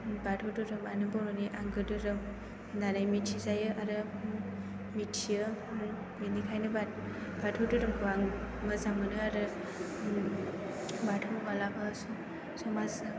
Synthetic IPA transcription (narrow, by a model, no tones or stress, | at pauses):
batʰɯdɯɾɯmanɯbɔɾɔniʔaŋɡɯdɯɾɯm | nanajmitʰizajɯʔaɾɯ | mitʰijɯ | enikʰajnɯba | b̥atʰowdɯɾɯmkuaŋmɯzamɯnɯaɾɯ | batʰowmalabɯs | sɔmas